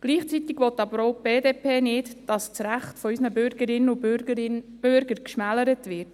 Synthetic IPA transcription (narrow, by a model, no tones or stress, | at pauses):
ɡ̥liːχt͡sit̪ɪɡʋɔt̪ːɑbəɾoʊb̥eːdeːpʰeːnɪdd̥ɑst͡sɾæχtfɔysnəbøɾɡ̥əɾɪnəʊ | b̥ʏɾɡəɾkʃmæləɾətʋɪɾt